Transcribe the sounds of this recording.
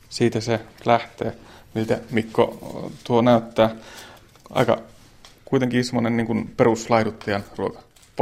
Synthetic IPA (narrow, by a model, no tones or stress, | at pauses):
siːt̪æselæht̪eːnilt̪æmikːo̰t̪uonæyt̪ːæː | ʔɑ̰ikɑ̰ | kuit̪eŋkiːsemːonenniːŋkunperuslɑidut̪ːɑjɑnruokɑ̥ | p